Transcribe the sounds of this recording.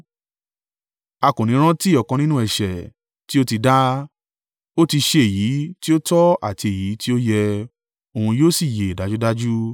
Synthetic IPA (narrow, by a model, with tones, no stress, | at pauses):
a˧˨kũ˨nĩ˨˦ɾ̃ã˦ti˦˨ɔ˨kɔ̃˧nĩ˦nũ˦ɛ˨ʃɛ˨ | ti˦o˦ti˧da˦ | o˦ti˧ʃe˧e˦˨ji˨˦ti˦o˦tɔ˦a̰˦˨ti˧e˨ji˨˦ti˦o˦jɛ˧ | o˨ũ˧joː˦si˦˨je˨da˨˦d͡ʒu˦da˦d͡ʒu˦